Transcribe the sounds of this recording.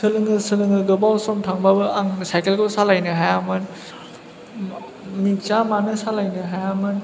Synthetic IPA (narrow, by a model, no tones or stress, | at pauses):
sɯlɯŋɯsɯlɯŋɯɡobawsɔmtʰaŋbabɯaŋsajkelkowsalajnɯɦajamɯn | mit͡ʃamanɯsalajnɯɦajamɯn